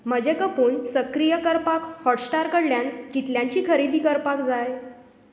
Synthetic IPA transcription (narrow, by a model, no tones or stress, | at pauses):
m̤əd͡ʑekəpuːnsəkɾijəkəɾpakhɔʈsʈaɾkəɽljankit̪ljaɲt͡ɕiːkʰəɾid̪iːkəɾpakd͡zaj